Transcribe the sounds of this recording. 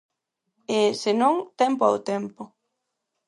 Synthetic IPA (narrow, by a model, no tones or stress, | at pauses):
esenõŋt̪ɛmpʊa̰wt̪ɛmpʊ